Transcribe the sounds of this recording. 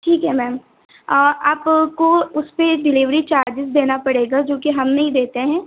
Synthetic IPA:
ʈʰiːkɦɛmɛːm | ɔːɾʔaːpkoʊspeɖɪliʋɾit͡ʃaːɾd͡ʒɪzd̪eːnapɐɽeːɡad͡ʒoːkiɦɐmnɐɦĩd̪eːt̪eɦɛ̃ː

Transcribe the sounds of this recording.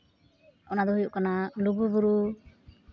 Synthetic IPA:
ɔnad̪ɔɦujuʔkanaluɡubuɾu

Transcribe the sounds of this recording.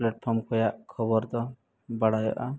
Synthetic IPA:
pleʈ̚pʰɔɾmkʰɔjaʔkʰɔbɔɾt̪ɔ | baɽajɔ̰ʔa

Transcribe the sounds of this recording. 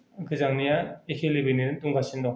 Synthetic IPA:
ɡɯzaŋnijaekʰelibiniɾɯntuŋɡasindɔ

